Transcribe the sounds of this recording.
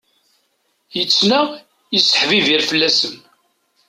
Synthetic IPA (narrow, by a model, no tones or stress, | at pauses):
jət͡sːnæ | jisə̥ħviviɾfəlːæsəm